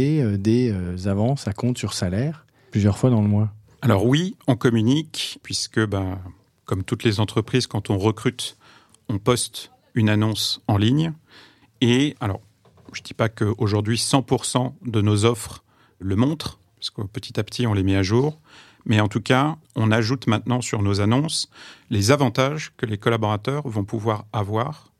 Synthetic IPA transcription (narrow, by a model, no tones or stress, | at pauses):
eød̪eøzavɑ̃sakɔ̃t̪syʁsalɛːʁ | plyzjœʁfwad̪ɑ̃ləmwa | alɔʁwiɔ̃kɔmynikpɥiskəba | kɔmt̪ut̪lezɑ̃t̪χəpχizkɑ̃t̪ɔ̃ʁəkχyt̪ | ɔ̃pɔst̪ | ynanɔ̃sɑ̃liɲ | ealɔ̰ʁ | ʒ̥əd̪ipakəoʒuʁd̪ɥisɑ̃puʁsɑ̃d̪ənozɔfχ | ləmɔ̃t̪χ | pḁskəpət̪ʰi̥t̪apt̪ʰiɔ̃lemɛaʒuːʁ | mɛɑ̃t̪ukaɔ̃naʒut̪mɛ̃t̪nɑ̃syʁnozanɔ̃slezavɑ̃t̪aʒkəlekɔlabɔʁat̪œʁvɔ̃puvwaʁavwaːʁ